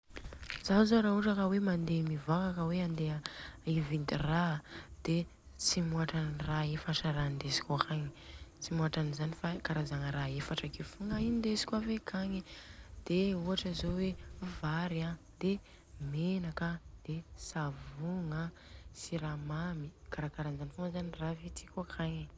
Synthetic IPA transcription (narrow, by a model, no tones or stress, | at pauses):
zazoɾauʈ͡ʂakawemand̪emivakakəweand̪eəivind̪irad̪̥e | t͡simuaʈ͡ʂaniraefaʈ͡ʂaɾand̪esi̥kʲuakaŋit͡simuaʈ͡ʂanizanifakaɾazaŋəɾaefaʈ͡ʂakefuŋaiind̪esi̥kʲwavekʰaŋid̪̥euaʈ͡ʂəzowevaɾa | d̪e | menakad̪̥esavuŋa | siɾamamikaɾakaɾanzanifuŋzaniravit̪i̥kuakʰaɲi